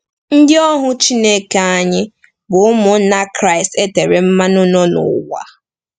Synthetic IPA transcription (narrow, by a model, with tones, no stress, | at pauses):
n̩˦dɪ˦ɔ˦ɦʊ˦t͡ʃi˦ne˦ka˨a˦ɲɪ˦ | bʊ˨ʊ˦mʊ˨˦na˦kɾa˦˨ɪ˨ste˦te˨ɾe˨m̩˦ma˦nʊ˦nɔ˦nʊ̰˨wa̰˦